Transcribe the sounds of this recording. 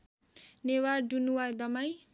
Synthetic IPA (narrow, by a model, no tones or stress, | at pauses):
newaɖunuwajd̪ʌmaj